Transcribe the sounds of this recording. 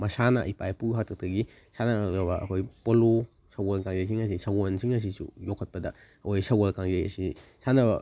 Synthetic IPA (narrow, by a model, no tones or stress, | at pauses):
mɐsana̰ʔipajpuɦatʰɐk̚tɐɡi | sananabɐɐ̰kʰojpolu | sɐwolkaŋzajs̬iŋɐs̬isawonsiŋɐs̬isṵjɔkʰːɐt̚pɐdɐ | kojsɐwalkaŋzajɐ̰sisanɐbɐ̰